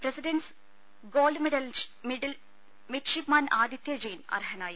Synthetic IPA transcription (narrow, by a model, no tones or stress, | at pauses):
pɾɐsiɖɐns | ɡoːlɖmiɖɐlmiɖɐl | miʈʂipmaːnaːd̪jɐt̪jɐd͡ʑɐjnɐ̰rɦɐnaːjɐ